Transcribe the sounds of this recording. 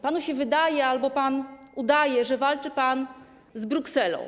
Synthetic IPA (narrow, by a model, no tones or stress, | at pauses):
panuɕɛvɘd̪ajɛalbɔpanud̪ajɛʐɛvalt͡ʂɘpan | zbɾuksɛlɔ̰̃w̃